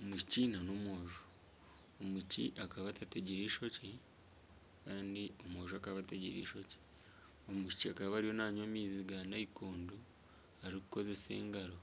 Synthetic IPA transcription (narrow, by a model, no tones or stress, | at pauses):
omuʃi̥ciːnanomoːʒu | omucḭʔakaβatateɟiɾiːʃo̞ci | kaːndiomo̞ːʒuakaβateɟḭɾḭːʃo̞ci̥ | omuʃi̥ciakaβaɾijo̞naːɲomiːziɡanaikoːndu | aɾiku̥ko̞ze̞se̞̰ːŋɡaɾo̞